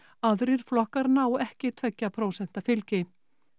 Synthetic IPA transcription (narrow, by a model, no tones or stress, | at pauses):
aðɾɪɾ̥flɔhkaɾnaːwɛhcɪt̪ʰvɛcːapʰɾoːwsɛn̥t̪afɪlcɪ